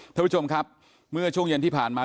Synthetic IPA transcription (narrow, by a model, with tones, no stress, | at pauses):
t̪ʰa˥˩˦t͡ɕʰo˧mkʰa˦˥p̚ | mɯ˥˩ɐt͡ɕʰu˥˩ŋje˧nt̪iː˥˩pʰaː˨˩nmaː˧